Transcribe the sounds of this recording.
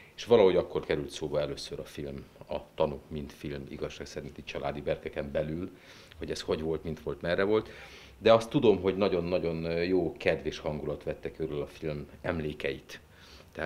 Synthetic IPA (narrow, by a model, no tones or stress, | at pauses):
eʃʋɒlɒɦo̞ɟɒkːo̞rkɛɾylt̪soːbɒɛløːsøɾɒfilmɒt̪ɒnukmint̪filmḭɡɒʃːaːksɛɾint̪it͡ʃɒlʔa̰ːd̪ibɛrkɛkɛmbɛlyl | ho̞ɟɛsho̞ɟʋo̞lt̪mint̪ʋo̞lt̪mɛrːɛvo̞lt̪ | d̪ɛɒst̪ːud̪o̞mɦo̞ɟnɒɟo̞nːɒɟo̞njoːkɛd̪ʋeːʃhɒŋɡulɒt̪ʋɛt̪ːɛkøɾølɒfilmɛmleːkɛjit̪ː | ɛa